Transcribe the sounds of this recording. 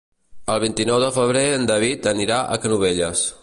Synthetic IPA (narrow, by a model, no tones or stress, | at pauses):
əlˠβint̪inɔwðəfəβ̞ɾeənd̪əβit̪əniɾaʔə̰kənuβ̞eʎəs